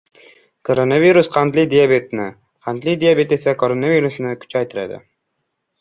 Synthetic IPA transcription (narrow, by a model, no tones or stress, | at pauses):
kʰoɾonaviɾusqʰɑnt̪lɪd̪ijabet̪nɪ | qʰɑnt̪lɪjd̪ijabe̞t̪e̞sakʰoɾonaviɾusnɪkʲʰʊ̥t͡ʃʰajt̪ʰɪɾa̰d̪ɪ̰